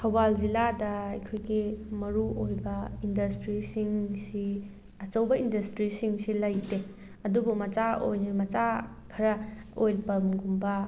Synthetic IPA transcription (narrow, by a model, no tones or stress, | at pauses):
kʰɐwbald͡ʒiladɐːjkʰojɡimɐɾuʔojbɐindɐstɾisiŋsi | ɐt͡ʃɐwbɐindɐstɾisiŋsilɐjde | ɐdubumɐt͡ʃao̰jnimɐt͡ʃa | kʰɐɾɐojlpɐmɡumbɐ